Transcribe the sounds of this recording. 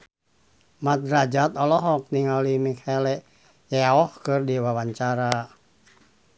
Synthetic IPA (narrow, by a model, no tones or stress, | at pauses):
mat̪̚ɾad͡ʒat̪ɔlɔɦɔk̚niŋalimikʰalɛ | jɛɔhkɨrdiwawaɲt͡ʃaɾa